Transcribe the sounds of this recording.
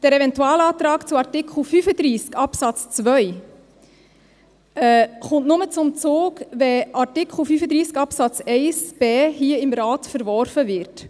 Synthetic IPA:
d̥ɛɾɛvɛntuɑːlɑːt̪ɾɑːkt͡sʊɑɾtɪkχl̩fyːfəd̪ɾiːskɑpsɑt͡st͡svœj | ɛχʊntnʊmət͡sʊmt͡soːkʋɛʔɑɾtɪkχl̩fyːfəd̪ɾiːskɑpsɑt͡sɛɪsb̥eːɦiːəɪmɾɑːtfəɾvɔɾfəvɪɾt

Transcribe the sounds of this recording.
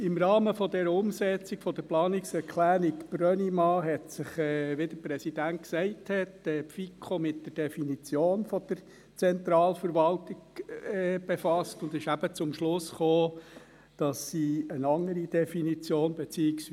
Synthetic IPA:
ɪmɾɑːməfɔdɛɾəʊmsɛt͡sɪkfɔd̪əɾplɑːnɪksɛɾkʰlæːɾikb̥ɾœnimɑːɦɛtsɪχɛːʋed̥̪əpɾɛsid̥ænt̚ksɛɪthɛtɛːfikʰomɪt̚d̥əɾd̥ɛfinit͡sjoːnfɔd̥̪əɾ | t͡sɛnt̪ɾɑːlfəɾʋɑltɪɡɛb̥efɑstʊndɪʃæb̥ət͡sʊmʃlʊsχoː | d̥ɑsːiːənɑŋːəɾid̥ɛfinit͡sjoːnbet͡siːɪks

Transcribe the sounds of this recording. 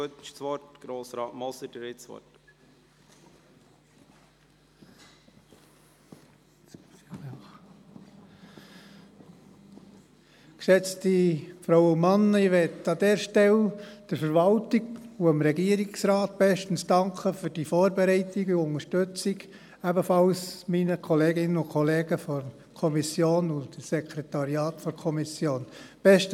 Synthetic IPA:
øtʃsʋɔtɡ̥ɾoːsɾɑːtmɔsədəɾɪsʋɔ̰t | ksɛt͡stifɾowʊmɑnːiʋɛtɑd̪ɛːɾʃtɛld̥əɾfəɾvɑltiɡuəmɾɛɡiːəɾiksɾɑːt̚b̥ɛʃtn̩sd̥ɑŋkʰəfyɾd̥ifɔːɾbɛɾɛɪtiɡuʊnəʃtøt͡siɡ | æbəfɑlsminəkʰɔleːɡɪnəʊkʰɔleːɡəfɔr | kʰɔmisjoːnʊtsɛkʰɾɛt̪ɑɾiɑːtfɔɾkʰɔmisjoːnb̥ɛʃt

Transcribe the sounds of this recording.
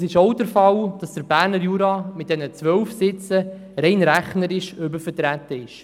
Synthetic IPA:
sɪʃowdəɾfɑld̥ɑsd̥əɾbæːɾnəɾjuːɾɑmɪt̚d̥ɛnət͡sʋœlfsɪt͡sə | ɾɛɪnɾæχnəɾɪʃʏbəfəɾtɾæt̪ːəɪʃ

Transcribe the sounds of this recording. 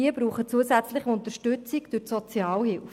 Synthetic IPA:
iəb̥ɾuːχət͡suəsæt͡slɪχəʊnt̪əɾʃtʉt͡sikd̥øɾtsɔt͡sjɑːlhɪlf

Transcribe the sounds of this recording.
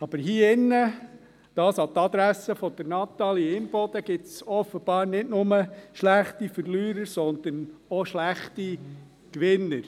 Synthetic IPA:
ɑb̥əɾɦiːɪnːə | d̥ɑːsɑt̪ɑd̪ɾæsəfɔd̥̪ɛɾnɑt̪ɑliɪmbɔd̪əɡ̥ɪtsɔfəb̥ɑːɾnɪtnʊməʃlæχt̪ifəɾlyːɾəɾsɔnd̪ənɔʃlæχti | kʋɪnːəɾ

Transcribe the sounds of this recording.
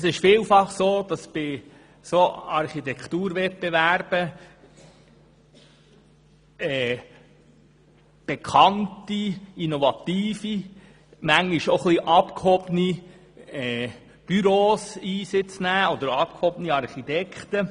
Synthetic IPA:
sɪʃfiːlfɑχsoːd̥ɑsb̥ɪ | soɑɾχit̪ɛkt̪uːɾʋɛt̚bevæɾb̥ə | ɛː | b̥ɛkʰχɑntiinovɑt̪iːfi | mæŋiʃoχliʔɑpkhɔbəni | ɛː | b̥yɾoːsiːsɪt͡snæːɔd̪əɾɑp̚khɔbəniɑɾχit̪ɛkχt̪ə

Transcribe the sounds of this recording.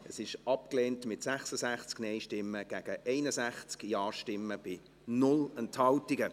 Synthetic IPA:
əsɪʃɑp̚kleːntmɪtsæχsəzæχt͡sknɛɪʃtɪmːəɡ̥æɡ̥əʔɛɪnəzæχt͡skjɑːʃtɪmːəb̥ɪ | nʊlɛnthɑltiɡə

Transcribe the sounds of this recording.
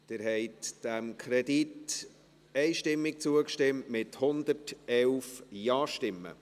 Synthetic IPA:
d̥ɪɾɦɛɪtd̥æmkʰɾɛdit | ɛɪʃtɪmːɪk̚t͡suəkʃtɪmtmɪthʊnd̪əɾtɛlfjɑːʃtɪmːə̰

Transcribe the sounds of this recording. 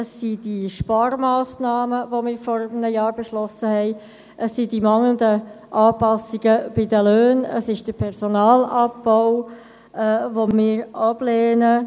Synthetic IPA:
əsːid̥iʃpɑːɾmɑːsnɑːməʋomɪːɾfɔɾəmnəjɑːɾbeʃlɔsəhɛɪ | ʔəsːidimɑŋəndə | ʔɑːpɑsiɡ̥əb̥ɪdəløːnə̰sɪʃd̥əpʰɛʁzonɑːlɑbɔʊ | ɛːvomɪːɾɑb̥lɛːnə

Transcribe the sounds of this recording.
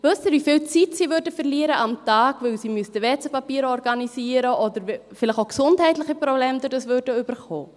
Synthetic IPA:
vøstɪɾʋifɪlt͡sitsiːvøːɾdəfərliːəɾəʔɑmtɑːɡ̥vʏlsimystəʋɛt͡səpɑpiːɾəɔrɡɑnisiːəɾəʔɔd̪əɾfɪlɪxoʊksʊnthɛɪtlɪχiprɾɔbleːmd̪ʊdɑsvøːɾdəyb̥ərχoː

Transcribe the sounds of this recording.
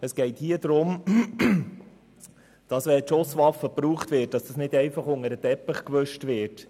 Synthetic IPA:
əsɡ̥ɛɪthiːəd̥̪ɾʊm | d̥ɑsʋɛlʃosʋɑfəpɾuːχtʋɪt̚d̥ɑsd̥ɑsnɪdɛɪfɑχʊŋəɾətɛpːəχkʋøʃtʋɪɾt

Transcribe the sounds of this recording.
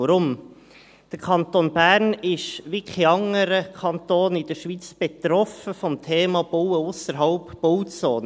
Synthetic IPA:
əɾʊm | d̪̥əɾkʰɑnt̪onb̥æːɾnɪʃʋikχiɑŋəɾəkʰɑnt̪oːnɪd̥̪əɾʃʋit͡sb̥et̪ɾɔfəfɔmtʰeːmɑb̥owəʊsəɾɦɑʊpːowt͡soːn

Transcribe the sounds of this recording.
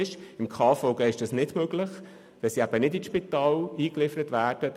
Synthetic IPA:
ɪʃɪmkʰɑːfɔʊɡeɪʃd̥ɑsnɪdmøɡlɪχ | ʋɛsiæb̥ənɪdiʃpit̪ɑːliːklɪfəɾətvæːɾd̥ə

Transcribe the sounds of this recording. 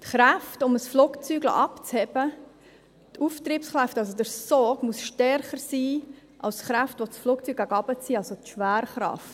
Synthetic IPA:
tχɾæftʊməsfluːkt͡syːɡlo̰ʔɑpt͡shɛbə | tʰuːft̪ɾiːpsχɾaftɑls̬odəɾsɔːɡmuəsʃtɛɾχəɾsiː | ʔɑ̰lsχɾaftʋosfluːkt͡syːɡ̥̚æɡɑbət͡siːɑlsot̪ʃʋæːɾχɾɑ̰ft

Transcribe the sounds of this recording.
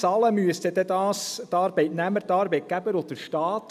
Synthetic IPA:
sɑləmyəst̪əd̪ɛd̪ɑːstɑːɾbɛɪtnæməɾtɑːɾbɛɪt̚ɡ̥æbəɾodəɾʃtɑːt̪

